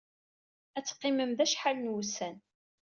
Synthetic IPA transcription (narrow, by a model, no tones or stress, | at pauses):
æt͡sːqːɪməmðæʃħalnwusæn